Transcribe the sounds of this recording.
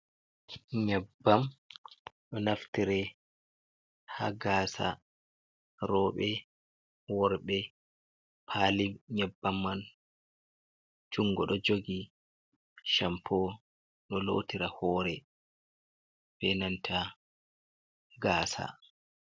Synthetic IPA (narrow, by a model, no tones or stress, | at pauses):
ɲɛbːam | ɗɔnaftiɾɛ | ha̰ɡaːsa̰ | ɾɔːɓɛ | wɔɾɓɛ | pʰaːlimɲɛbːamːan | d͡ʒuŋːɡɔɗɔd͡ʒoɡi | ʃampʰɔ | ɗɔlo̰tiɾahɔːɾɛ | b̥ɛnantʰa | ɡaːsa̰